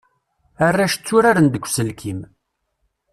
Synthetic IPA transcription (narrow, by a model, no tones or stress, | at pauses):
ərːaʃt͡sːuɾaɾənd̪əkʷːsəlkʰim